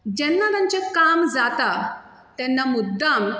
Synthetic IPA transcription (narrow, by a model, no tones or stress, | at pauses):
d͡ʑɛnːat̪ãɲt͡ɕekamd͡zat̪a | t̪ɛnːamud̪ːam